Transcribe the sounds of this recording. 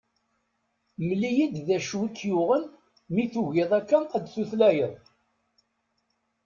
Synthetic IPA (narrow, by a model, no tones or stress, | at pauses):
məlːijid̪ðæʃwik̪ːjʊʁən | miθuʝɪðˤækːænæd̪θuθlæjəðˤ